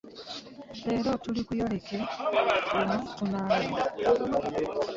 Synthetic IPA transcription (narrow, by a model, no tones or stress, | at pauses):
leːɾotulikujo̞le̞ke | enutunaːlea